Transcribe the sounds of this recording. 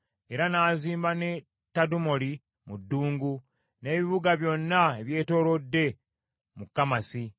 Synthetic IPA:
e̞ɾanaːziːmbane̞ | tːadumo̞li | mudːuːŋɡu | ne̞ːβiβuɡaβjo̞nːaeβje̞ːto̞ːɾo̞dːe̞ | mukːamasi

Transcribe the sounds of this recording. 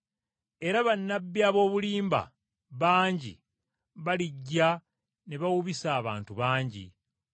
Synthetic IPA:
e̞ɾaβanːabːiaβo̞ːβuliːmba̰ | βaːɲɟḭ | βaliɟːa | ne̞βawuβisaːβa̰ːntuβaːɲɟḭ

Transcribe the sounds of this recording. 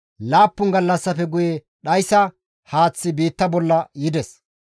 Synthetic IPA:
laːpːʊŋɡɐlːɐsːɐfɛɡʊje | ɗɐjsɐ | haːt͡sːɪbiːt̪ːɐbɔlːɐjɪd̪ɛs

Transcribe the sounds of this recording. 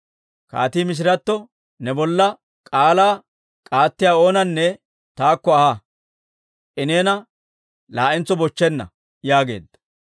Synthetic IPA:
ka̰ːt̪iːmɪs̬ɪɾɐt̪ːɔ | nɛbɔlːɐ | kʼaːlaː | kʼaːt̪ːɪjaːo̞ːnɐnːɛ | t̪aːkːɔɐha | ɪneːnɐ | laːʔɪnt͡sɔbɔt͡ʃːɛnːɐ̰ | jaːɡeːd̪ːɐ̥

